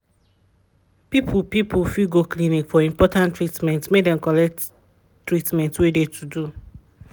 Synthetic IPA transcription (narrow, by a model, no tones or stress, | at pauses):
pipʰupipufiɡoklinikfɔĩmpɔtãntɹitmɛ̃ntmedɛ̃mkɔlɛk̚t | tːɹitmɛ̃ntwedetʰudu